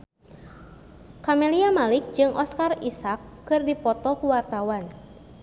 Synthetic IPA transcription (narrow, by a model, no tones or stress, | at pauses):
kamɛliamalik̚d͡ʒɨŋʔɔskarisakːɨrdipɔt̪ɔkuwart̪awan